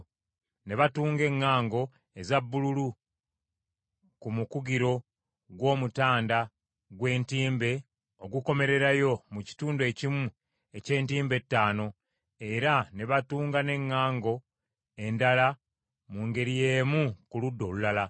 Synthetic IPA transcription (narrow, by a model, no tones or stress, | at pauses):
ne̞βatuːŋɡe̞ŋːaːŋɡo̞ | e̞zabːululu | kumukuɡiɾo̞ | ɡwo̞ːmutaːnda | ɡwe̞ːntiːmbe̞ | o̞ɡuko̞me̞ɾe̞ɾajo̞muci̥tuːndue̞cimu | e̞ce̞ːntiːmbe̞tːaːno̞ | e̞ɾane̞βatuːŋɡane̞ŋːaːŋɡo̞ | e̞ndala | muːŋɡe̞ɾije̞ːmukuludːo̞ːlulala